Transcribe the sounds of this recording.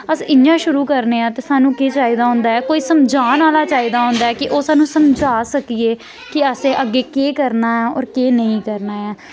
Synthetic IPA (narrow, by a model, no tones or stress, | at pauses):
əsɪɲjãːʃʊɾuːkəɾneːãːt̪eːsaːnũːkeːt͡ʃaːiːd̪aːɦʊ̃ːnd̪aːɛːkoːiːsəmd͡ʒʱaːnaːlaːt͡ʃaːiːd̪aːɦʊ̃ːnd̪aːɛːkɪʔoːsaːnũːsəmd͡ʒʱaːsəkiːeː | kɪəsẽːʔəɡːeːkeːkəɾnaːaːɔ̰ːɾkeːnəĩːkəɾnaːaː